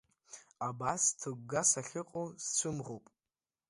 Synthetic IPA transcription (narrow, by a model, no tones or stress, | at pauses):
abastʰɨɡʷɡasaχʲɨqʼost͡ʃʷʰɨmʁopʼ